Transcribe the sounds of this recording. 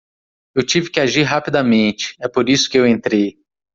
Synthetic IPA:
ewt͡ʃivɪkɪaʒiɾɦapid̪ɐmẽnt͡ʃɪ̥ɛpoɾisʊ̥kɪewẽnt̪ɾej

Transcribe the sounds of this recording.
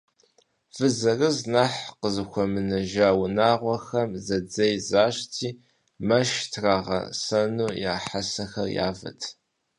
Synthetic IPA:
fɨzɐrɨznaħqəzɨxʷɔmɨnɐʒaːwʊnaːʁʷɔxɐmzɐd͡zɐjzaːɕtʰiː | mɐʃtʰraːʁɐ̰sɐnuːjaːħasɐxɐrja̰ːvɐ̰tʰ

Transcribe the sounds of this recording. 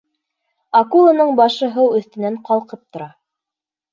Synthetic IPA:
ɑkulˠɤnɤɴbɑʃɤ̆ɦɤwɵ̆θt̪ɘ̆næɴqɑlˠqɤp̚t̪ŏɾɑ

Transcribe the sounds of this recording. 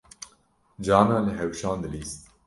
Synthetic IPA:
d͡ʒɑːnaːləɦɛwʃɑːnd̪ɨliːst̪̚

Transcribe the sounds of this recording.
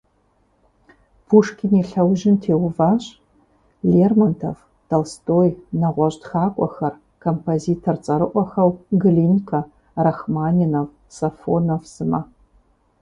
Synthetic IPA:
pʰuʂkʲʰɪniɬɐwʒɪntʰeːwvaːɕ | leːrmɐntʰɐ̰v | tʰɐlstʰʼoːjnɐʁʷɔɕtxaːkʷʼɔxɐr | kʰompʰoziːtʰort͡sʼɐɾɨʔʷɔxɐwɡɨlinkʰɐ | rɐxmaːninɐv | sɐfo̰nɐvz̥ɨmɐ

